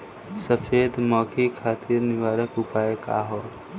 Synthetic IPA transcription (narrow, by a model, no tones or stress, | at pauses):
səfʰeːd̪mɔːkʰikʰaːt̪iɾnɪʋaːɾəkʊpaːjeka̰ɦo